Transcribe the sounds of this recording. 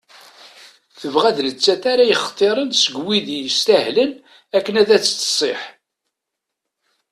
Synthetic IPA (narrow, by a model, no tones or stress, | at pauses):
θəvʁæðnət͡sːæθaɾajəχt̪ˤːeɾˤənsəɡwiðjəst̪æhlən | ækːənæðæt͡sːt̪ːsˤeħ